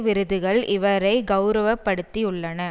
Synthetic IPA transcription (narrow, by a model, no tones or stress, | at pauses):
ʋɪɾɯðɯɣɐɭɪʋɐɾɐɪɡɐʊɾɐʋɐpːɐɽɯt̪ːijʊɭːɐnɐ